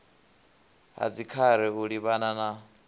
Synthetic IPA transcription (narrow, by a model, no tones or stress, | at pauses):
ɦa̰d͡zikʰaɾɛuɺiβanana